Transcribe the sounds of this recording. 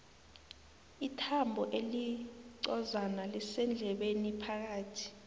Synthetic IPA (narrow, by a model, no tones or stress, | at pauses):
itʰambʱɔʔeliǀɔzanalisɛnd͡ɮʱɛɓenipʰak̬aːtʰi̥